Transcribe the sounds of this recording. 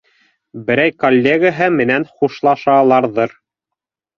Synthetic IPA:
bɘ̆ɾæjkolʲːeɡaɦɤmɘ̆nænχuʃlˠɑʃɑlˠɑɾðɤɾ

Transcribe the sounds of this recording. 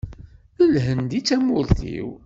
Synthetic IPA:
əlɦənd̪it͡sːæmʊɾθḭw

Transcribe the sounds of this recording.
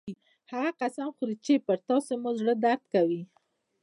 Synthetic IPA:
haɣaqasamxʊɾit͡ʃepəɾt̪ɑsemozɽəd̪aɾd̪kawi

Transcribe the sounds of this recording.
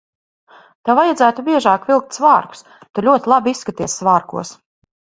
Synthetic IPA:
t̪avajad̪zæːt̪ubʲiɛʒaːkvʲilˠk̚t̪svaːɾku̥s | t̪ulʲuɔt̪ilˠabisːkat̪iɛssvaːɾkṵɔs

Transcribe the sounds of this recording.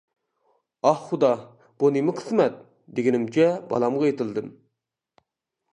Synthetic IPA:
ɑhχud̪ɑ | b̥unemɪqʰə̥smɛt̪̚ | d̪eɡʲinɪmt͡ʃʰɛbɑ̰lˠɑmʁɑet̪ɨlˠd̪ɨm

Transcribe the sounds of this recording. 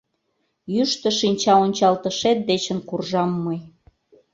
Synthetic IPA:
jyʃt̪əʃinʲt͡ɕɑonʲt͡ɕɑlt̪əʃet̪̚d̪et͡ɕə̆nkurʒɑmːəj

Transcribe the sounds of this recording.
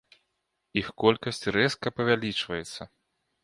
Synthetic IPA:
ixkɔlʲkɐsʲt͡sʲrɛskɐpɐvʲalʲit͡ʂvɐjɛt̪sːɐ

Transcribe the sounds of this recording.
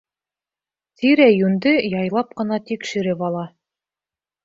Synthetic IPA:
t̪iɾæjʉnd̪ɘjɑjlˠɑp̚qɤ̆nɑt̪ikʃɘ̆ɾɘpɑlˠɑ

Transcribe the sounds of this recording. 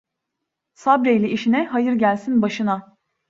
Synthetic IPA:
sabɾejlʲiiʃinɛɦajɯɾɟælʲsinbaʃɯna

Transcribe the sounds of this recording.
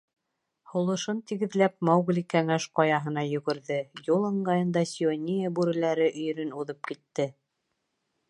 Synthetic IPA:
hŏlˠɤ̆ʃɤnt̪iɡɘ̆ðlæp̚mowɡlʲikæŋæʃqɑjɑɦɤ̆n̪ɑjɵ̆ɡɘ̆ɾðɘjulˠɤ̆ɴɢɑjɤ̆nd̪ɑsʲionʲijəbʉɾɘ̆læɾɘʔɵ̆j̆ɾɵnuðɤp̚kit̪ːɘ

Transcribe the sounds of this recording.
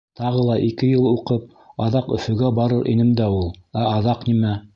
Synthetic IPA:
t̪ɑʁɤlˠɑʔikɘjɤlˠuqɤp̚ | ɑðɑqɵ̆fɵ̆ɡæbɑɾɤɾʔḭnɘmd̪æulˠæɑðɑqnimæ

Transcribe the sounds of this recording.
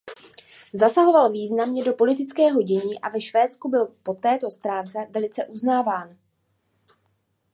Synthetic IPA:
zasaɦo̞valviːznamɲɛdo̞po̞lɪt̪ɪt͡skɛːɦo̞ɟɛɲiːʔavɛʃvɛːt͡skubɪlpo̞t̪ɛːt̪o̞st̪ɾaːnt͡sɛvɛlɪt͡sɛʔuznaːvaːn

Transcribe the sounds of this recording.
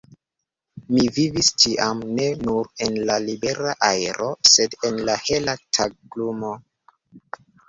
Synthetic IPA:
mivivistiʔamne̞nuɾe̞nlalibe̞ɾaʔaeɾʔo̞se̞de̞nlahe̞latʰaɡlumo̞

